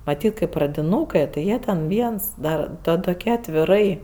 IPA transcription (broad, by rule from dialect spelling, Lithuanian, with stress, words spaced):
mɐˈtʲiːt kɜ prɐdʲɪˈnuːkɜ tʲɪ ˈjiɛ tʲɛn ˈʋʲiɛns ˈdɐ ˈtɐ toːˈkʲæː ɐtʲʋʲɪˈrɐɪ